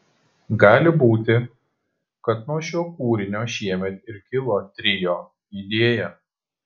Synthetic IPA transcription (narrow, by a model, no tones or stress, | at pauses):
ɡɑːlʲɪbuːt̪ʲɪ | kɐt̪nuɔʃʲoːkuːɾʲɪnʲoːʃʲiɛmʲɛt̪ɪɾkʲɪlˠoːt̪ʲɾʲɪjoː | iːd̪ʲeɛjɛ